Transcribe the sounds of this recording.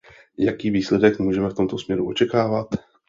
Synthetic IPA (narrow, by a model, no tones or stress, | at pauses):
jakiːviːslɛdɛkmuːʒɛmɛft̪o̞mt̪o̞smɲɛɾuo̞t͡ʃɛkaːvat̪